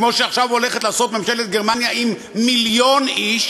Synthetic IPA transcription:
mo̞ʃeaχʃavole̞χet̪laːso̞t̪memʃelet̪̚ɡeʁmanjaʔimː | iljo̞niʃ

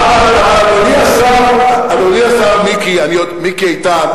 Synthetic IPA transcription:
aɡoliasaaboliasavmikianiomikiajt̪a

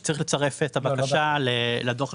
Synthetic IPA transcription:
t͡saʁiχlet͡saʁe̞fetʰabakaʃaleladoχ

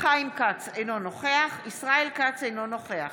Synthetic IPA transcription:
χaimkat͡sejnonoχeaχisʁaelkat͡sejnonoχe̞aχ

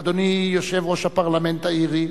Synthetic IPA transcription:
d̪onijosevɔsapaʁlamẽnt̪aiɾi

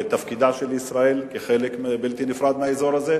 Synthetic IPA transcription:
t̪afkid̪aʃelisʁae̞lkeχelekmebelt̪inifʁad̪meaezo̞ɾaze

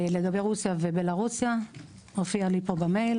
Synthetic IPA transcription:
le̞ɡabe̞jʁusjavebelaʁusja | hofialipobamejl

